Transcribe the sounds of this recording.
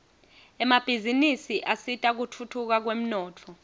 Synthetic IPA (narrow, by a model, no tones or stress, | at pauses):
ɛmab̥ʱizinisiʔasitʼak̬utʰutʰuk̬ak̬wem̩nɔːtʰɔ